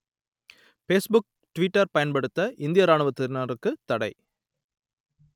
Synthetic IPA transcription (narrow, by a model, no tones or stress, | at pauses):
feːsbʊk̚ | ʈʋɪʈːɐɾpɐjɐnpɐɽɯt̪ːɐʔɪnd̪ɪjɐɾaːɳɯʋɐt̪ːɪɾnaɾɯkːɯt̪ːɐɽɐɪ